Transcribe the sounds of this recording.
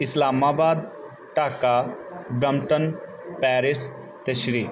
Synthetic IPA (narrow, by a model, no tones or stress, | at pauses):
ɪslaːmaːbaːd̪ | ʈaːkaɖɾɐmʈən | pɛːɾis | t̪eʃɾiː